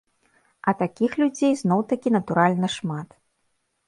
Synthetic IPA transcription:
ɐt̪akʲixlʲud͡zʲejznɔwt̪akʲinɐt̪uɾalʲnɐʂmat̪

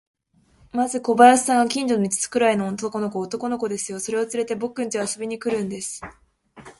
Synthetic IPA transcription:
mazɨko̞bajasi̥saŋɡakʲĩɲ̟d͡ʑonʲit͡ɕɨ̥t͡sɨ̥kɯ̟ɾaino̞ont̪oko̞no̞k̬oːt̪o̞ko̞no̞ko̞d̪e̞sɨjo̞so̞ɾe̞o̞t͡sɨɾe̞t̪e̞bo̞kːɯ̟nt̪easo̞bʲiɲ̟ikɯ̟ɾɯ̟̃nd̪e̞sɨ̥

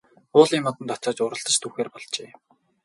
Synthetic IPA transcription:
ʊːɮimɔt̪ɞ̆nt̪ʰɔt͡sɔːt͡ɕʊːɾə̆ɬt̪ə̆t͡ɕt̪ʰuːxeːrpɔɮt͡ɕeː

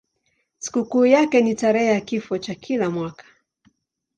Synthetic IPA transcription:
si̥kukuːjakɛnitaɾɛhɛjakifɔt͡ʃakʰilamwakḁ

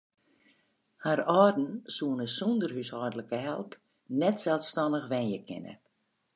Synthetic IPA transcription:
harɔːdn̩suənəsundərhyshɔrdələkəɦɛ̰lˠp | nɛtsɛlˠstɔnəxʋɛnjəkʰɪ̰nə̰

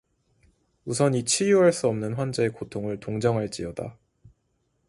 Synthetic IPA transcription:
usʰʌnit͡ɕʰijuɦaɭs͈uʌmnɯnɸwand͡ʑeekotʰoŋɯɭtoŋd͡ʑʌŋɦaɭt͡ɕ͈iʌda̰

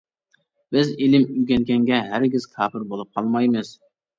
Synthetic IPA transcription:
bɪzilɪmyɡʲɛnkʲɛŋɡʲɛɦæɾɡʲɪz̥kʲʰɑːpɪɾbolˠup̚qʰɑlˠmɑjmɨz̥

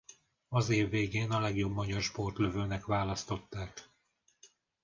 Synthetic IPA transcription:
ɒzeːvːeːɡeːnɒlɛɡjo̞bmɒɟɒrʃpo̞rt̪løvøːnɛkʋaːlɒst̪o̞t̪ːaːk

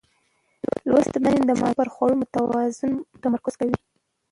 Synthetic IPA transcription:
lwast̪manend̪əmɑ̰paɾxwɑwumot̪awɑzʊnt̪amaɾkʊz̥kawi

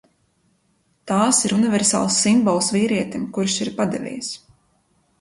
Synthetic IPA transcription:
t̪aːsiɾunivɛɾsa̰ːlˠsːimbɔlˠsviːɾiɛt̪imkuɾʃiɾpad̪ɛ̰vʲḭjs

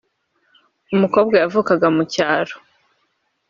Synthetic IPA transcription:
umuko̞ːbɡajavukaɡamucaːɾo

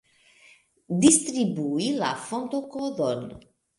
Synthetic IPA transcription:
d̪ist̪ɾibuila̰font̪okod̪on

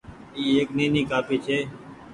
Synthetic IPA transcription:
iːeːknĩːniːkaːpiːt͡ʃʰeː

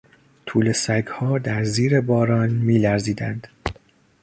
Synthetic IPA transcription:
t̪ʰuːle̞sæɡhɒːd̪æɾziːɾe̞bɒːɾɒːnmiːlæɾziːd̪ænd̪̥

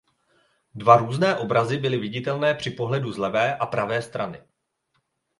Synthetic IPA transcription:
dvaɾuːznɛːʔo̞bɾazɪbɪlɪvɪɟɪt̪ɛlnɛːpr̝̥ɪpo̞ɦlɛduzlɛvɛːʔapɾavɛːst̪ɾanɪ̰

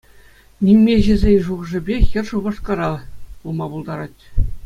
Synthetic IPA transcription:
nʲimʲmʲeʑɘ̆zʲenʲʐuʁ̆ʐɘ̆bʲejʲɘ̆rʂuʁɤ̆ʂkɑɾɑulˠmɑbulˠd̪ɑɾɑtʲ

